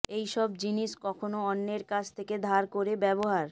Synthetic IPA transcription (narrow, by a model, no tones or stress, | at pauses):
ejʃɔbd͡ʑiniʃkɔkʰonoɔnːeɾkat͡ɕʰt̪ʰeked̪ʱaɾkoɾebɛboɦaɾ